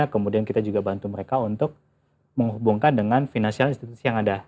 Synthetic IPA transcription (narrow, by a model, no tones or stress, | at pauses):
akəmudiankit̪ad͡ʒuɡabant̪uməɾekaunt̪ʊk̚ | məŋɦubuŋkandəŋanfinansialinst̪it̪u̥sijaŋada